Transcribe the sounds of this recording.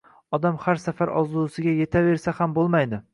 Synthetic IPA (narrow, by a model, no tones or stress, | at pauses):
ɒd̪amhaɾsafaɾɒzlˠusɪɡʲaje̞t̪ʰave̞ɾsahambolˠmajd̪ɪ